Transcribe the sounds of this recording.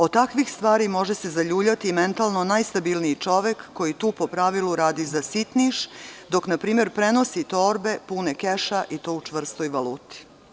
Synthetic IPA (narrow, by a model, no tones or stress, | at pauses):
ot̪akʋixst̪ʋaːɾimo̞ʒese̞zaʎuːbʎat̪ime̞nt̪alno̞najst̪abilniit͡ʃo̞ʋekːo̞jit̪uːpo̞pɾaʋiluɾaːd̪izasit̪niʃd̪o̞knapɾiːme̞ɾpɾe̞no̞sit̪o̞ːɾbe̞punekeʃaʔit̪o̞ːut͡ʂʋr̩st̪o̞jʋaluːt̪i̥